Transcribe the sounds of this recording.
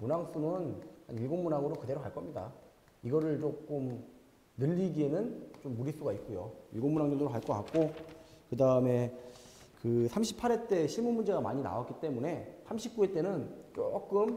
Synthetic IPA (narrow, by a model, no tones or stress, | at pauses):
munaŋs͈umɯnhaniɭɡonmunaŋɯɾokɯde̞ɾokaɭk͈ʌmɲida̰ | iɡʌɾɯɭt͡ɕok͈om | nɯʎːiɡie̞nɯnt͡ɕomːuɾis͈uɡaik͈ujoiɭɡomːunaŋɲundɯɾokaɭk͈ʌka̰k̚k͈okɯdaɯme̞ | kɯsʰamɕʰipʰːaɾet͈e̞ɕʰiɭmunmund͡ʑe̞ɡama̰ɲina̰wak͈it͈e̞mune̞sʰamɕʰip̚k͈ue̞t͈e̞nɯnt͡ɕok͈ɯm